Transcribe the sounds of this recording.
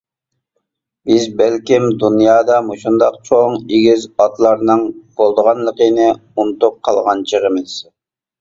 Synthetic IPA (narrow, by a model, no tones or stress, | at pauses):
bɪzbælkʲimd̪unjɑːd̪ɑmoʃund̪ɑq̚t͡ʃʰoŋeɡʲizɑt̪lˠɑɾnɨŋb̥olˠd̪əʁɑnlˠəqənɨunɨt̪up̚qʰɑlˠʁɑnt͡ʃʰəʁəmɪz̥